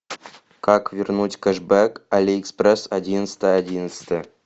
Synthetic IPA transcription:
kɑkvʲirnutʲkʲeʐbekalʲiːksprʲesadʲinst̪ʲəadʲinət̪st̪ʲɘ

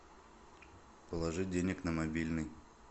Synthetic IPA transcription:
pəlˠɐʐɨdʲenʲɪknəmabʲilʲnɨj

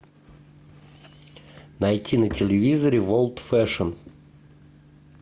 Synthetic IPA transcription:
najtʲinətʲɪlʲɪvʲizəɾʲɪvolˠt̪fɛʂən

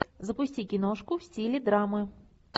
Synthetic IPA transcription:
zɐpʊsʲtʲikʲinɔʂkʊwsʲtʲilʲid̪ɾamɨ

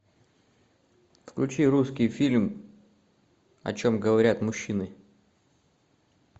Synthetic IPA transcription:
fklʲʉt͡ɕiɾuskʲɪjfʲilʲm | ɐ̰t͡ɕo̞mɡəvɐɾʲat̪mʊɕːinɨ

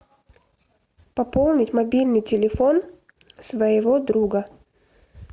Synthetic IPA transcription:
pɐpolˠnʲɪtʲmɐbʲilʲnɨjtʲɪlʲɪfon | svəjɪvod̪ɾuɡə

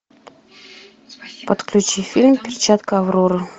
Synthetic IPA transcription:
pət̪klʲut͡ɕifʲilʲmʲpʲɪrʲt͡ɕat̪kəavroɾɤ

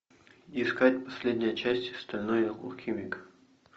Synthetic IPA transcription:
ɪɪskatʲpɐsʲlʲedʲnʲɪjət͡ɕæsʲtʲɪst̪ɐlʲnojkṵlˠxʲimʲɪk

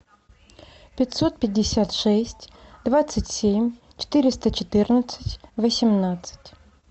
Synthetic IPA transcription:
pʲɪtʲsot̪̚pʲɪdʲːɪsʲat̪ʂɛsʲtʲd̪vat̪sɨtʲsʲemʲ | t͡ɕɪ̥t̪ɨɾʲɪst̪ət͡ɕɪt̪ɨrnət̪sɨ̥tʲvəsʲɪmnat̪sɨ̥tʲ

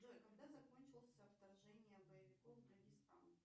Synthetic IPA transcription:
d̪aɪkɐɡd̪azɐkonʲt͡ɕɪlˠəsʲəɐpt̪ɐrʐɛnʲɪjəbəjɪvʲɪkofd̪əɡʲɪst̪a̰n

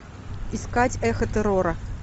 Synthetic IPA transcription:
iskat͡sʲɛxɐt̪ɛɾɔɾɐ

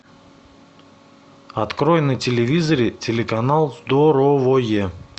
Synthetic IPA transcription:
ɐt̪kɾojnətʲɪlʲɪvʲizəɾʲɪtʲɪlʲɪkɐnalˠzd̪oɾovoje

